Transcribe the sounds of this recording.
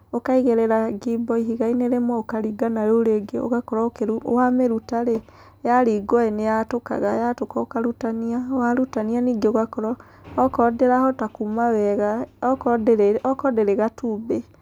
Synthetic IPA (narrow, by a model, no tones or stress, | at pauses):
okaiɣeɾɛɾaɡibɔiɦiɣaineɾemɔokaɾiɡanaɾoɾeɡeo̰ɣakɔɾaokewameɾutaɾe | jaɾiɡɔenejatoka̰ɣajatokɔokaɾutaniawaɾutanianiːɡeoɣakɔɾɔ | ɔkɔdeɾahɔtakumawɛɣakɔdɔkɔdɛɾeɣatube